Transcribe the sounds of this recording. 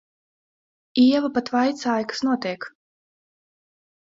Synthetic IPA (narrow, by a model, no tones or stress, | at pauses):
iɛvapat̪vajt̪saːjkɨ̥snuɔt̪iɛk